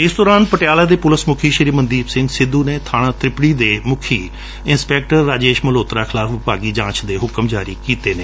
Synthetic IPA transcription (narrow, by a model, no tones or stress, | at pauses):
ɪsd̪ɔːɾaːnpəʈɪjaːlaːd̪eːpʊləsmʊkʰiːʃɪɾiːmənd̪iːbsɪ̃ŋɡsɪd̪ːuːneːt̪ʰaːɽ̃ãːt̪ɾɪpɽiːd̪eːmʊkʰiː | ɪnspɛːk̚ʈəɾːaːd͡ʒeːʃməloːt̪ɾaːkʰɪlaːpʰʋɪpaːɡiːd͡ʒãːt͡ʃd̪eːɦʊkəmd͡ʒaːɾiːkiːt̪eːneː